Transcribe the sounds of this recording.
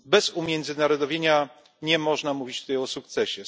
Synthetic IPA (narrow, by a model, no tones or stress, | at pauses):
bɛz̥umʲjɛnd̪zɘnaɾɔd̪ɔvʲjeɲa | ɲɛmɔʐnamuvʲit͡ɕt̪ut̪ajɔsuk̚t̪sɛɕɛ